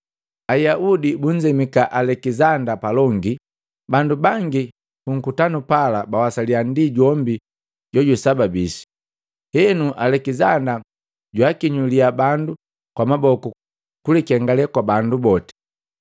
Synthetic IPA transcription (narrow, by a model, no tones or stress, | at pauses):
ajaʔudibuɲ̩d͡ʒɛmikaʔalɛkizandapalɔŋɡi | bandubaŋɡi | puŋ̩kutanupalabawasaliandiɟɔmbi | ɟɔɟusababisi̥ | hɛnuʔalɛkizanda | ɟwakiɲuliabandu | kwamabɔku | kulikɛŋɡalɛkwabandubɔtɛ̥